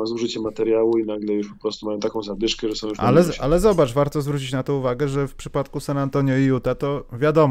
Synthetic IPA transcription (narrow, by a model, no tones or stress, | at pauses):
azuʐɘt͡ɕɛmːat̪ɛɾjawuinaɡlɛjuʂpɔpɾɔst̪umajɔ̃t̪akɔ̃w̃zabʲjiʂkɛʐɛsɔ̃w̃jua̰lɛa̰lɛzɔbat͡ʂvaɾt̪ɔzvɾut͡ɕit͡ɕnat̪ɔ̃uvaɡɛʐɛfpʂɘ̥pat̪kusanant̪ɔɲjɔijut̪at̪ɔvʲjad̪ɔm